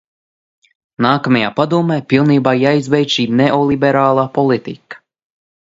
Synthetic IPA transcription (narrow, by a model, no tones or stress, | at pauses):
naːkamajaːpad̪uːmeːpilˠniːbaːjajzvɛjt̪ʃiːnɛʔɔlˠibɛɾaːlˠaːpɔlˠit̪ḭkɐ̥